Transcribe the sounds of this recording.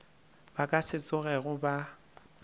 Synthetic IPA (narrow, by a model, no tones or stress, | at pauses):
bakʼasɪt͡sʼʊɣɛɣʊba